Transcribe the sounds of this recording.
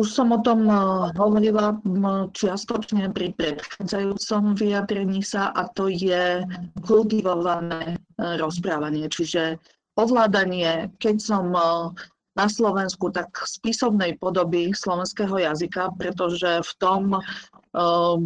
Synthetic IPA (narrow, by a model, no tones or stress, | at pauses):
uʃsɔmɔt̪ɔmɦɔʋɔɾilat͡ʃɪast̪ɔt͡ʃɲɛpɾipɾɛt̪xaːd͡zajuːt͡sɔmʋiad̪ɾɛɲiːsaʔat̪ɔjɛkult̪iʋɔʋanɛːɾɔspɾaːʋaɲɪɛt͡ʃiʒɛ | pɔʋlaːd̪aɲɪɛkɛcsɔm | naslɔʋɛnskut̪akspisɔʊnɛjpɔd̪ɔbislɔʋɛnskɛːɦɔjazikapɾɛt̪ɔʒɛft̪ɔm